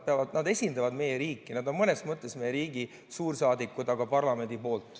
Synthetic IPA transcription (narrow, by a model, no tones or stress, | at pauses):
peɑvɑd̪̥nɑd̪e̞sʲind̪ɑvɑd̪me̞jeɾiːkːˑinɑd̪o̞nmɤne̞smɤt̪ːˑe̞smejeɾiːɡ̥i | suːɾsɑːd̪ikːˑud̪ɑɡ̥ɑpɑrlɑme̞nd̪ipo̞ːlt̪ːˑ